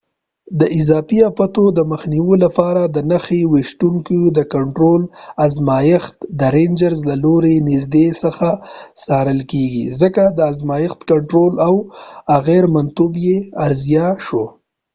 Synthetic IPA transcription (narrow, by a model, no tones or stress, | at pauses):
d̪əʔɪzɑfiapat̪od̪əməxniwolapɑɾad̪ənaxewiʃt̪uŋkid̪əkaɳʈɾolazmɑjɪxt̪d̪əɾend͡ʒaɾzlaloɾenɪzd̪esəxasɑɾəlkeɡḭzəkad̪əazmɑjɪxt̪kaɳʈɾolawaɣeɾmant̪ubjeaɾzjɑʃo